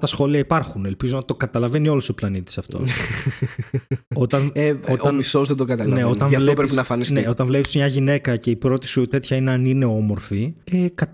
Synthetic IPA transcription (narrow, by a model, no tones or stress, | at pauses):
t̪ɐsxo̞liɐipɐɾxunelpizonɐt̪o̞kɐt̪ɐlɐve̞nio̞luso̞plɐnit̪i̥sɐft̪o̰ | o̞t̪ɐneoɐnisozðed̪oɡɐt̪ɐlnneo̞t̪ɐnɐflt̪opɾesinɐfɐnisneo̞t̪ɐnvle̞pismɲɐʝine̞kɐce̞ipɾo̞t̪i̥sut̪e̞t̪çɐineɐnine̞o̞mo̞ɾfiekɐt̪